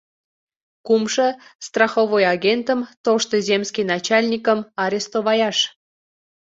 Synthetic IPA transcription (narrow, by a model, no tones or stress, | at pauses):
kumʃəst̪rɑxovojɑɣʲent̪əmt̪oʃt̪ozʲemskijnɑt͡ɕɑlʲnʲikəmɑɾʲest̪oβɑjɑʃ